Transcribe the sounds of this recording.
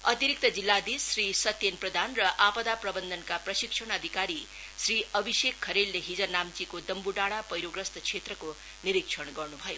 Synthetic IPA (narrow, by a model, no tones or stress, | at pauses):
ʌt̪iɾik̚t̪ʌd͡zilːad̪isrisʌt̪jenprʌd̪ʱanrʌʔapʌd̪aprʌbʌnd̪ʱʌnkaprʌsiksʰʌɽ̃ʌd̪ʱikaɾi | sriʌbʱisekʰːʌɾelːeɦid͡zʌnamt͡sikod̪ʌmbuɖaɽ̃apʌjɾoɡrʌst̪ʌt͡sʰet̪rʌko | niɾiksʰʌɽɡʌrnubʱʌjo